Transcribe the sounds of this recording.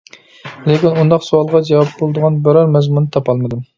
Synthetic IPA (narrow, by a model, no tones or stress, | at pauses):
lekʲinund̪ɑqsuɑlˠʁɑd͡ʒɛwɑp̚bolˠɨd̪əʁɑnbæɾɑɾmɛzmunɨt̪ʰɑpɑlˠmɨd̪u